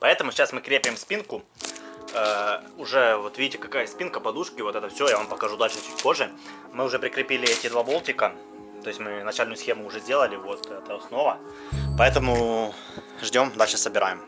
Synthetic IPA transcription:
pɐɛt̪əmʊsʲt͡ɕːasmɨkɾʲepʲɪɪmspʲinkʊ | əʊʐɛvo̞t̪vʲidʲɪtʲɪkɐkajəspʲinkəpɐd̪uʂkʲɪvot̪ɛt̪əfsʲojavampəkɐʐud̪alʲʂɨt͡ɕʉtʲpo̞ʐːɨ | mɨʊʐɛpɾʲɪkɾʲɪpʲilʲɪɛtʲɪd̪vabo̞lˠtʲɪkə | t̪o̞ɪsʲmɨnɐt͡ɕalʲnʊjʊsxʲe̞mʊːʐɛzʲdʲelˠəlʲɪvo̞t̪ɛt̪əɐsno̞və | pɐɛt̪əmʊ | ʐdʲo̞md̪alʲʂɨsəbʲɪɾa̰jɪm

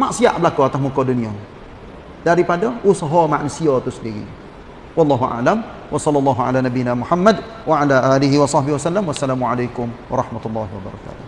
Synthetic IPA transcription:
maʔsiaʔbəlakuat̪asmukɔduniɔ | daɾipadaʔusaɦɔmaʔnusiɔt̪usəndiɣḭ | wɑlˤːɑːɦuʔa̰ʔlam | wʔɑsɑlːɑlˤːɑːɦuʕa̰lanabinamuħamːad | waʕalaʔaːliɦiwɑsˤɑhbɪhwasalːamwasːalaːmuʕalajkʊmwɑɾˤɑħmat̪ulːɑɦiwaba̰ɾˤɑ̰ka̰ːt̪ʊh

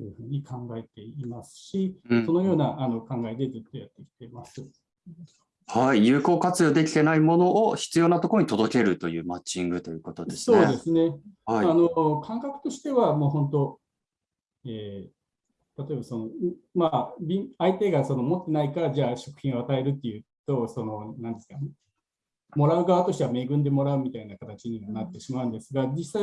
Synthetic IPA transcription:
ojɯ̟ɸɯ̟ːɲ̟ikʰãŋɡae̞t̪e̞imasɨ̥ɕiso̞no̞jo̞ːnaʔano̞kãŋɡaed̪e̞d͡zɨt̪ːo̞jat̪ːe̞kʲi̥t̪e̞masɨ | haijɯ̟ːko̞ːkat͡sɨjo̞ːd̪e̞kʲi̥t̪e̞naimo̞no̞ʔːçi̥t͡sɨjo̞ːnat̪o̞koɾoɲit̪o̞d̪o̞ke̞ɾɯ̟t̪o̞jɯ̟ːmat͡ɕĩŋɡɯ̟t̪o̞jɯ̟ko̞t̪o̞d̪esso̞ːd̪e̞sɨne̞aiano̞kʰãŋkakɯ̟̥t̪o̞ɕi̥t̪e̞βamoːɦõ̞nt̪o̞ | eː | t̪at̪o̞e̞baso̞no̞mabʲĩait̪e̞ɡaso̞nomo̞t̪ːe̞naikaɾad͡ʑaːɕo̞kɯ̟̥çʲĩɡoat̪ae̞ɾɯ̟t̪ːe̞jɯ̟t̪o̞so̞no̞nãnd̪e̞sɨ̥ka | mo̞ɾaɯ̟ɡaβat̪o̞ɕi̥t̪e̞βame̞ːɡɯ̟̃nd̪e̞mo̞ɾaɯ̟mʲit̪ainakat̪at͡ɕiɲimonat̪ːe̞ɕimaɯ̟̃nd̪e̞sɨɡad͡ʑisai

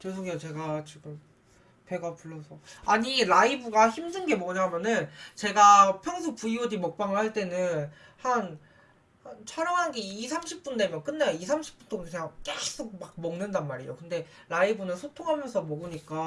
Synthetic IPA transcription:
kes̬ʰoɡeat͡ɕe̞ɡat͡ɕiɡɯm | pe̞ɡapuɭːʌsʰʌaɲiɾaibuɡaçimdɯnɡe̞mwʌɲamjʌnɯnt͡ɕe̞ɡapʰjʌŋsʰup͈uiwodimʌk̚p͈aŋɯɭhaɭt͈e̞nɯnhan | hant͡ɕʰaɾjʌŋɦanɡe̞isʰamɕʰip̚p͈undemjʌnk͈ɯnːajoisʰamɕʰi̥p͈unt͈ʰoŋiɲaŋk͈es͈ʰok̚mak̚mʌŋnɯndanmaɾijo̰kɯnde̞ | ɾaibɯnɯnsʰotʰoŋɦamjʌnsʰʌmʌɡɯɲik͈a

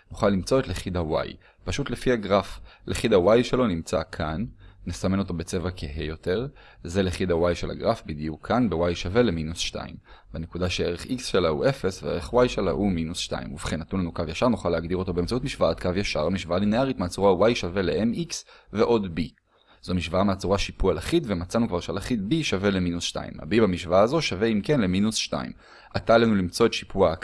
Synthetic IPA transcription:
nuχalːimt͡so̞et̪leχid̪awa̰j | paʃut̪lefiaɡʁaflʔeχidawajʃe̞lo̞nimt͡sakʰanːesame̞no̞t̪o̞be̞t͡se̞vakʰeɦejo̞te̞ʁ | ze̞leχid̪awajʃela̰ɡʁafbid̪ijukʰːanbewajʃave̞leminusʃta̰ḭmbane̞kudaʃeeʁeχiksʃelaṵʔe̞fe̞sveeʁeχwajʃela̰ʔuminusʃta̰ḭmuvχenat̪unlanukavjaʃaʁnuχaleːɡd̪iʁo̞t̪o̞beemt͡saut̪miʃvaatkavjaʃa̰ʁamiʃvaalineaʁit̪meat͡suʁawajʃave̞leʔemiksve̞ʔo̞d̪bi | z̥omiʃvaameat͡suʁaʃipualaχitvemat͡sanukvaʁʃealaχit̚biʃave̞le̞minusʃta̰ḭma̰bibamiʃvaaːzo̞ʃave̞imke̞nle̞minusʃta̰ḭm | at̪alanulimt͡so̞et̪ʃi̥pua

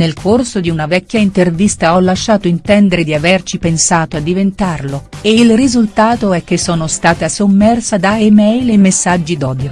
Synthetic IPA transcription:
nelkʰorsod̪iunavɛkʲːjaint̪ervist̪aɔlːaʃːaːt̪oint̪ɛnd̪eɾed̪iavert͡ʃipensaːt̪oad̪ːivent̪arloeilrizult̪aːt̪oɛk̟ːesːɔːnost̪aːt̪asomːɛrsad̪aemɛjlemesːad͡ʒːid̪ɔːd̪jo

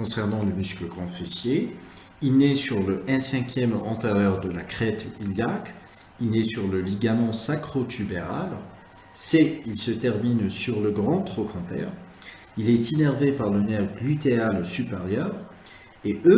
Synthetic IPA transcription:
kɔ̃sɛʁnɑ̃ləmyskləɡʁɑ̃fisje | ilnesyʁləʔɛ̃sɛ̃kʲjɛmɑ̰̃t̪eʁjœʁd̪əlakχɛt̪iljak | ilnesyʁləliɡamɑ̃sakχot̪ʰybeʁal | sɛilsət̪ɛʁminsyʁləɡʁɑ̃t̪χokʰɑ̃t̪ɛ̰ʁ | ilɛt̪inɛʁvepaʁlənɛʁlyt̪ealsypeʁjœːʁ | eʔø

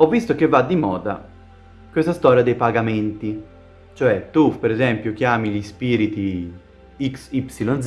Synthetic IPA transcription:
ɔvːist̪ok̟evːad̪ːimɔːd̪a̰ | kwest̪ast̪ɔːɾjad̪ejpaɡament̪i | t͡ʃoɛt̪ːupeɾɛzɛmpjok̟jaːmiʎispiːɾit̪i | iksipsilɔnz

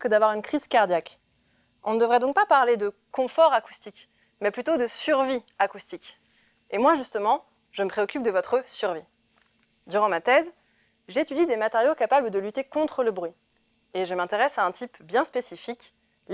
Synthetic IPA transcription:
kəd̪avwaʁynkχiz̥kaʁd̪jak | ɔ̃nəd̪əvʁɛd̪ɔ̃k̚papaʁled̪əkɔ̃fɔʁaku̥st̪ik | mɛplyt̪od̪əsyʁviakust̪ik | emwaʒyst̪əmɑ̃ | ʒəməpχeɔkʲyp̚d̪əvɔt̪χəsyʁvi | d̪yʁɑ̃mat̪ɛz | ʒeet̪yd̪id̪emat̪eʁjokapabləd̪əlyt̪ekɔ̃t̪χələbʁɥi | eʒəmɛ̃t̪eʁɛsaɛ̃t̪ʰipbjɛ̃spesifik

